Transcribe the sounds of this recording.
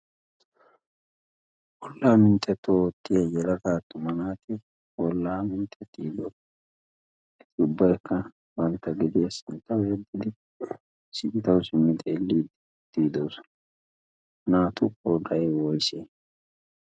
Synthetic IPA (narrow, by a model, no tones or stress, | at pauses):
wɔlːaːmɪnt̪ʼːɛt̪ːot̪ːɪjɐjɛlɐɡaːt̪ːʊmɐnaːt̪ɪ | wɔlːaːmɪnt̪ʼːɛt̪ːiːd̪o | ɪt̪ʰɪʊbːɐjkːɐ | bɐnt̪ːɐɡɪd̪ɪjɐsɪnt̪ːɐwjɛd̪ːɪd̪ɪ | sɪʔɪt̪ɐwsɪmːɪt̪ʼeːlːiːd̪ | t̪iːd̪owsɔ̥ | mɐnaːt̪ʊkoːɡɐjwɔjseː